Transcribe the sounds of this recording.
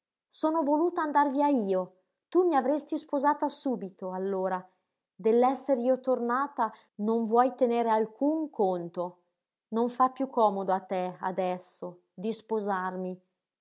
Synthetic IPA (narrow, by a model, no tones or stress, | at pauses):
soːnovoluːt̪aand̪arviaiːo | t̪umiavɾest̪ispozaːt̪asuːbit̪oalːoːɾa | d̪elːɛsːeɾiːot̪ornaːt̪a | noɱvwɔjt̪eneːɾealkʰuŋkʰont̪o | noɱfapːjukʰːɔːmod̪oat̪ːɛa̰d̪ɛsːo | d̪ispozarmi